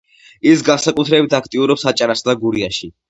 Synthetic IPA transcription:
isɡansakʼut̪ʰɾɛbit̪ʰakʰt̪ʼiuɾɔpsat͡ʃʼaɾasd̪aɡuɾiaʃi

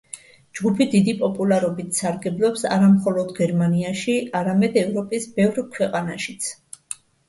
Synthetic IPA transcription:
d͡ʒɡupʰid̪id̪ipʼɔpʼulˠaɾɔbit̪ʰsaɾɡɛblˠɔpsa̰ɾamχɔlˠɔd̪ɡɛɾmaniaʃiaɾamɛd̪ɛvɾɔpʼisbɛvɾkʰwɛqʼanaʃit̪sʰ

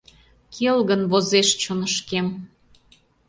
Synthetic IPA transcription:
kʰelɣənβozeʃt͡ɕonəʃkem

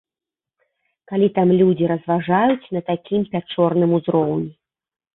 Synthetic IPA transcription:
kalʲit̪amlʲud͡zʲiɾɐzvaʐajut͡sʲnɐt̪akʲʰimpʲat͡ʂɔrnɨmuzɾɔwnʲi

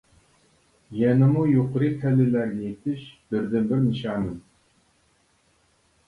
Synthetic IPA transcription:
jɛnɪmujoqʰəɾɨpʰɛlylæɾɡɪet̪ʰɪʃb̥ɪɾd̪ɪnbɪɾnɨʃɑːnɨm

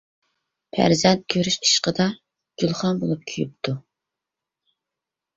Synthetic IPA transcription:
pʰæ̰ɾzɛnt̪̚kʲʰøɾyʃi̥ʃqəd̪ɑ | d͡ʒ̥ulˠχɑnbolˠup̚kʲʰyjy̰p̚t̪ʰu

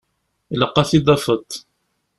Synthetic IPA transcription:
lɑqːɑθid̪ˤɑfət̪ˤ

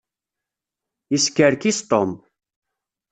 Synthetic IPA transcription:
iskəɾkist̪om

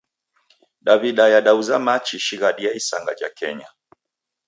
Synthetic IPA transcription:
ɗaviɗajaɗauzamat͡ʃiʃiɣaɗiaisaŋɡa̰t͡ʃa̰kɛɲa

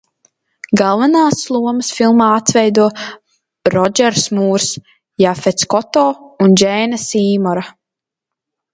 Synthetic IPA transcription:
ɡalˠvanaːslˠuɔməsfilˠmaːat̪svɛjd̪uɔ | ɾɔd͡ʒɛɾsmuːɾs | jafɛt̪skɔt̪ɔːund͡ʒɛːnɐsiːmɔɾa

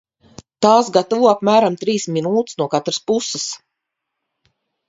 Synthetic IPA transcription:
t̪aːsɡat̪avuɔapmæːɾamt̪ɾiːsminuːt̪snuɔkat̪ɾaspusɪs

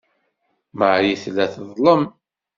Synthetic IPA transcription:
məʕjiθlːæθðˤlˤəm

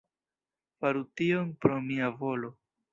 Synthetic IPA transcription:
faɾutionpɾo̞miavo̞lo̞

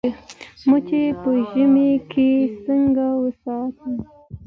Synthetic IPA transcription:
mət͡ʃepəʒəmekʰesəŋɡawəsɑt̪ə

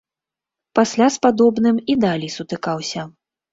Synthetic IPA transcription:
pasʲlʲaspad̪ɔbn̪ɨmid̪alʲijsut̪ɨkawsʲɐ

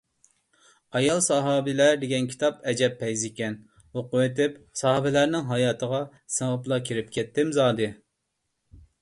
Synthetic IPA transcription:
ɑjɑlˠsɑɦɑːbɪlæɾd̪ɪɡʲɛnkʲʰi̥t̪ʰɑpɛd͡ʒɛpʰːɛjzɪkʲɛn | woqʊwet̪ʰɪpsɑɦɑbɪlæɾnɪŋɦɑjɑːt̪ʰəʁɑ | sɨŋəplˠɑkʲʰiɾɪpkʲʰɛt̪ːɪmzɑːd̪ɨ

